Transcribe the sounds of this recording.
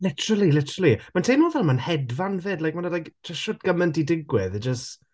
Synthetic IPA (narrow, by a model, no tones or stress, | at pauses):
lɪtʰəɾəlˠilɪtʰəɾəlˠimantʰejnoːðɛlˠmanhɛdvanveːdlajk̚mandadajkt͡ʃʰaʃɔdɡəməndidɪɡwɪðɛd͡ʒəst